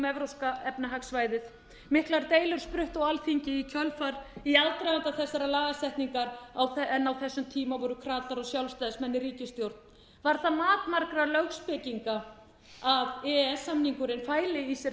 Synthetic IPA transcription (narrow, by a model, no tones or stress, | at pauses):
mɛvɾoskaɛpnaɦaksvaːjðɪð | mɪhklaɾt̪eːjlʏɾ̥spɾʏht̪ɔɣalfiɲcɪicʰœlfaɾiaðt̪ɾajant̪aθɛsːaɾalaːɣast̪ɛht̪niŋkaɾawθɛnːawθɛsːʏmt̪ʰiːmavɔɾʏkʰɾaːt̪aɾɔɣsjawlst̪ajðsmɛnːɪɾiːcɪst̪jowɾt̪n | vaɾ̥θaðmaːt̪maɾkɾalœɣspɪciŋka | aðɛɛsːamniŋkʏɾɪnfaːjlɪisɛ